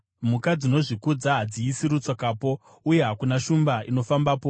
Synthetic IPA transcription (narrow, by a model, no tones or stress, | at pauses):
mukad͡zino̞ʐikud͡zaɦad͡ziːsiɾut͡swakaːpo̞ | uje̞ɦakunaʃumbaino̞fambaːpo̞